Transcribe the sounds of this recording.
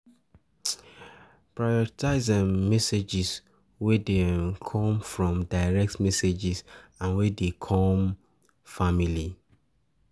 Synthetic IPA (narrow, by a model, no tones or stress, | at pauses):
pɹajɔɹitʰaɪzɛ̃mmɛsed͡ʒis | wedekʰɔ̃mfɹɔ̃mdaɪɹɛk̚tmɛsed͡ʒisãnwedekʰɔm | famili